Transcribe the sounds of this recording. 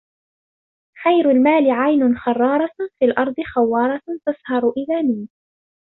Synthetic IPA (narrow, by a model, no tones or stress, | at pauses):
xajɾʊlmaːlɪʕajnʊnxɑrˤːɑːɾˤɑfiːlʔɑɾˤd̪ˤɨxawːɑːɾˤɑt̪ashɑɾˤʊʔɪðaːmiː